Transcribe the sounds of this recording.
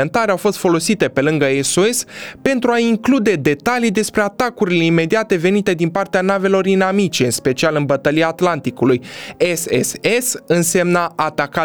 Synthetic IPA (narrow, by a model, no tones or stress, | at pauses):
ent̪aɾeawfo̞st̪fo̞lo̞sit̪e̞pe̞lɨŋɡəesoespe̞nt̪ɾuaiŋklud̪e̞d̪e̞t̪alid̪e̞spɾe̞at̪akuɾile̞ime̞d̪iat̪e̞ve̞nit̪e̞d̪inpart̪eanave̞lo̞rinamit͡ʃe̞ɨnspe̞t͡ʃialɨnbət̪əliaːt̪lant̪ikulujesḛsesɨnse̞mnaʔat̪aka